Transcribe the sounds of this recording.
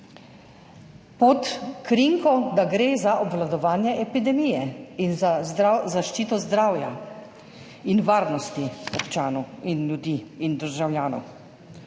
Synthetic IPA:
pɔt̪kɾiŋkɔd̪aɡɾeːzaʔɔbʋlad̪ɔʋaːnjɛʔɛpid̪ɛmijɛinzazaʃt͡ʃiːt̪ɔzd̪ɾaːwja | inʋaːɾnɔst̪iɔpt͡ʃaːnɔwinljud̪iːind̪əɾʒawljaːnɔ̰w

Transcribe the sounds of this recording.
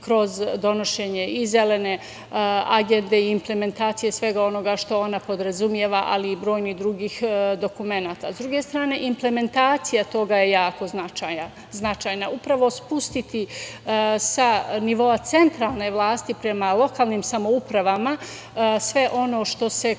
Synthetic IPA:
kɾo̞zd̪o̞no̞ʃeɲe̞ize̞le̞ne̞ | aɡe̞nd̪e̞iːmple̞me̞nt̪aːt̪sije̞sʋe̞ɡao̞no̞ɡaʃt̪o̞o̞napo̞d̪ɾazumje̞ʋaʔaliːbɾo̞ːjnihd̪ɾuɡiːxd̪o̞kume̞naːt̪azd̪ɾuɡe̞st̪ɾaːne̞ʔimple̞me̞nt̪aːt̪sijat̪o̞ɡaje̞jaːko̞znat͡ʃaa | znat͡ʃaːjnaupɾaʋo̞spust̪it̪i | saniʋo̞at̪se̞nt̪ɾaːlˠne̞ʋlˠaːst̪ipɾe̞malˠo̞kaːlˠniːmsamo̞upɾaʋama | sʋe̞ʔo̞no̞ːʃt̪o̞se̞

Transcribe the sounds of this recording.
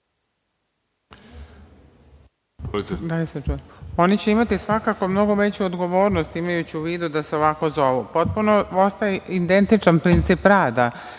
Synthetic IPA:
lid̪aliset͡ʃuo̞nit͡ɕeimat̪isʋakako̞mno̞ɡoʋe̞t͡ɕuod̪ɡo̞ʋo̞ːɾnost̪imajut͡ɕiuʋiːd̪ud̪aseo̞ʋako̞zo̞ʋupo̞t̪̚punoo̞st̪ajeid̪e̞nt̪it͡ʃanpɾint̪sipɾaːd̪a

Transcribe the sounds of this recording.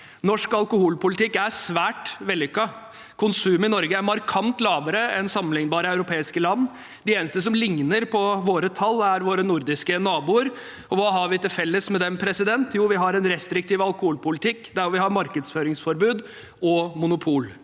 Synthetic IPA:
nɔʂkɑlkʊhuːlpʊlɪt̪ʰɪkːæɾsʋæːʈʋɛlːɪʏkːɑ | kʰʊnsʉːmɪnɔɾɡəæɾmɑɾkʰɑnt̪lɑːʋəɾəɛnsɑmənɪŋnbɑːɾəɑʉɾʊpʰeːɪskəlɑnː | d̪ɪeːnəst̪əs̬ɔmlɪŋnəɾpʰɔʋoːɾət̪ʰɑlːæɾʋoːɾənʊɾd̪ɪskənɑːbuːəɾ | ɔʋɑːɦɑɾʋɪt̪ɪlfɛlːəsmɛd̪ɛmpʰɾɛsɪd̪ɛnt̪juːʋɪɦɑɾɛnɾɛst̪ɾɪk̚t̪ʰiːʋɑlˠkʊhuːlpʊlɪt̪ʰɪkːd̪æɾɔʋɪhɑɾmɑɾkəd̪sføːɾɪŋsfɔɾbʉːd̪ | ɔmʊnʊpʰuːl

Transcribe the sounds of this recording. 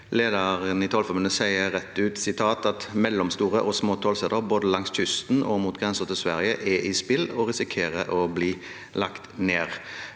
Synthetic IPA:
leːd̪ɑʁənɪt̪ʰɔlfɔmʉnəsæɪəʁɛt̪ːʉːt̪sɪt̪ʰɑːt̪ɑt̪mɛlːɔmst̪uːʁəʔɔsmoːt̪ʰoːlsɛd̪əʁboːd̪əlɑŋsçʏst̪nɔmuːt̪̚ɡʁɛnsət̪ɪlsʋæʁjəʔɛʔɪspɪlɔʁɪsɪkʰeːʁəʔɔbliː | lɑkt̪neːʁ

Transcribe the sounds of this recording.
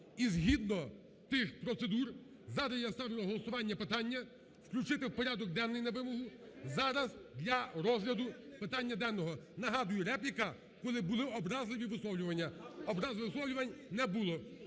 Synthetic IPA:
izɦʲid̪nɔ | t̪ɪxpɾɔt̪sed̪ur | zɑɾɐsjast̪ɑʋʲilˠɔɦɔlˠɔsʊʋɑnʲːɐpɪt̪ɑnʲːɐ | wklʲut͡ʃɪt̪ɪwpɔɾʲad̪ɔk̚d̪ɛnːɪjnɐʋɪmɔɦʊ | zɑɾɐzd̪lʲɐɾɔzɦlʲɐd̪ʊpɪt̪ɑnʲːɐd̪ɛnːɔɦɔnɐɦɑd̪ʊjʊɾɛplʲikɐ | kɔlˠɪbʊlˠɪɔbɾɑzlˠɪʋʲiʋɪslˠɔwlʲʊʋɐnʲːɐɔbɾɑzlˠɪʋɪsˠɔwlʲʊʋɐnʲnɛbulˠɔ

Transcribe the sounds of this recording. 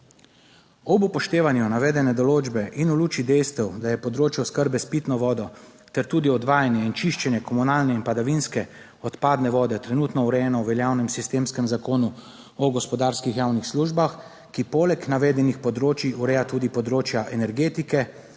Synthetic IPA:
ɔbupɔʃt̪eːʋanjunaʋɛːd̪ɛnɛd̪ɔloːd͡ʒbɛʔinuluːt͡ʃid̪ɛjst̪ɛwd̪ajɛpɔd̪ɾoːt͡ʃjɛskəɾbɛspiːt̪nɔʋɔːd̪ɔ | t̪ɛɾt̪uːd̪iɔd̪ʋaːjanjɛint͡ʃiʃt͡ʃɛnjɛkɔmunaːlnɛinpad̪aʋinskɛ | ɔt̪paːd̪nɛʋɔːd̪ɛt̪ɾɛnuːt̪nɔuɾɛjɛnɔwʋɛljawnɛmsist̪eːmskɛmzakoːnu | ɔɡɔspɔd̪aːɾskixjawnixsluːʒbax | kipoːlɛknaʋɛːd̪ɛnixpɔd̪ɾoːt͡ʃiuɾɛjat̪uːd̪ipɔd̪ɾoːt͡ʃjaʔɛnɛɾɡeːt̪ikɛ

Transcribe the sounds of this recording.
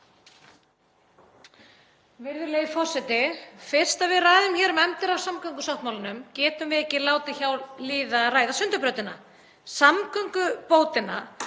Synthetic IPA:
vɪɾðʏɾleːjfɔr̥sɛt̪ɪfɪr̥st̪aðvɪðraːðʏmçɛːɾmɛmt̪ɪɾawsamkœŋkʏsɔwht̪mawlanʏmcɛːt̪ʏmvɪðɛcːɪlaːwt̪ɪçawɾliːðaraːjðasʏnt̪ʏɾpɾœɥt̪ɪna | samkœŋkʏpoːwt̪ɪnːa̰

